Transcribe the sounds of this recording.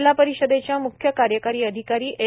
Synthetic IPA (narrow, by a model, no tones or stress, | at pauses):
lapəɾiɕəd̪et͡ɕjamukʰjəkaɾjəkaɾiːəd̪ʱikaɾiːʔe